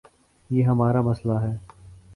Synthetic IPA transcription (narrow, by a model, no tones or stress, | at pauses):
jeːɦɐmaːɾamɐslaɦɛː